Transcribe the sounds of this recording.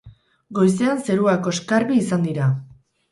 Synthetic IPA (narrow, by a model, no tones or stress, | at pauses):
ɡo̞jse̞anse̞ɾuako̞eskaɾβiːsand̪iɾa